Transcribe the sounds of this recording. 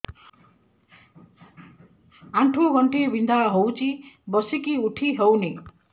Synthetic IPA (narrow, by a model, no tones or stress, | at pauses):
aɳʈʰuɡʌɳʈʰebʱind̪aɦowt͡sibʌsekiuʈʰiɦʌwni